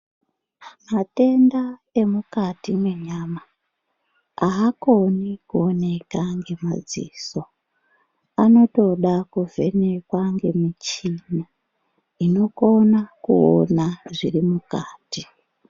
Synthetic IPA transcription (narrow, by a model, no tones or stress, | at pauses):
mate̞ndae̞mukatimweɲaːma | aakonikuone̞kaŋɡe̞ma̰d͡zḭso | ano̞to̞ɗakuvʱe̞ne̞kwaŋɡe̞mit͡ʃina | ino̞ko̞nakṵo̰naʐirimukaːti